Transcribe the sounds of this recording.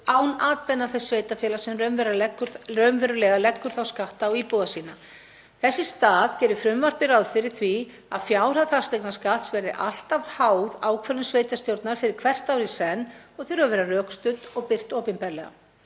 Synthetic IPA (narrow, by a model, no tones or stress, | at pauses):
aːwnaːt̪pɛnːaθɛsːveːjt̪afjɛːlasɛmrœmvɛɾakːɾœɥmvɛɾʏlɛɣalɛkːʏɾ̥θawskaht̪aːwiːpuðasiːna | θɛsːɪst̪aːðcɛːɾʏfɾʏmvar̥pɪɾawðfɪɾɪɾ̥θvi | a̰ðfjaːwɾ̥aθast̪ɛknaskaht̪svɛɾðɪ̰ʔa̰l̥t̪av̥haːwðaːwkʰvɛɾʏmsveːjt̪ast̪jowɾt̪naɾ̥fɪɾɪɾ̥kʰvɛr̥t̪awɾisɛnːɔɣθeɾʏɣavɛːɾarœːkst̪ʏt̪ɔɣpɪr̥t̪ɔːpɪnpɛɾlɛ̰ɣa̰